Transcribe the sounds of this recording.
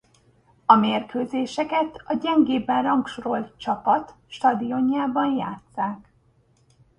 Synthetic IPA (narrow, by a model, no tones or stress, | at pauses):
ɒmeːrkøːzeːʃɛkɛt̪ɒɟɛŋɡeːbɛnrɒŋkʃoɾo̞lt̪̚t͡ʃɒpɒt̪ | ʃt̪ɒd̪ijo̞ɲjaːbɒnja̰ːt̪saːk